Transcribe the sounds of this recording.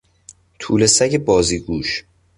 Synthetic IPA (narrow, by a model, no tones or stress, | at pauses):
t̪ʰuːlesæɟebɒːziːɡuːʃ